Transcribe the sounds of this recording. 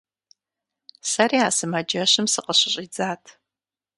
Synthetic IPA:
sɐriːaːsɨmɐd͡ʒɐɕɨmsɨqəɕɪɕʼid͡zaːtʰ

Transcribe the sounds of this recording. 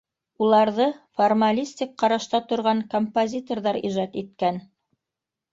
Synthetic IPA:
ulˠɑɾðɤformalʲisʲt̪ʲik̚qːɑɾɑʃt̪ɑt̪ŏɾʁɑŋkompozʲit̪orðɑɾiʒɑt̪it̪kæn

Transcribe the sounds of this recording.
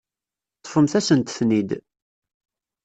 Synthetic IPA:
t̪ːˤə̥fəmθæsənt̪θnid̪

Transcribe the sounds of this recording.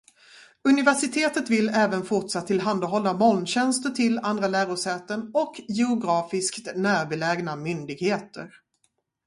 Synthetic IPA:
ɵnɪvæʂɪt̪ʰeːt̪ət̪vɪlɛːvənfʊʈʂat̪ʰːɪlɦand̪aɦɔlːamɔlnɕɛnst̪əʈʰɪland̪ɾalæːɾʊʂɛːt̪əɳɔkjɛʊɡɾɑːfɪskt̪næːɾbɛlɛɡnamʏnd̪ɪɡheːt̪ə̰ɾ

